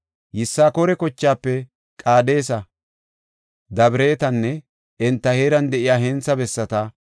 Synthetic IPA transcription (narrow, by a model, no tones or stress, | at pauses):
jɪsːaːkoːɾɛkɔt͡ʃːaːpːɛ | kʼaːd̪e̞ːsɐ | d̪ɐbɪɾe̞ːt̪ɐnːɛ | ʔɛnt̪ːɐheːɾɐnd̪ɛʔɪjaːɦɛnt͡sɐbɛsːɐt̪ɐ